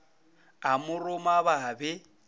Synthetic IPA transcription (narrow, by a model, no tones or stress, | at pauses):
amʊrʊmaβabɪ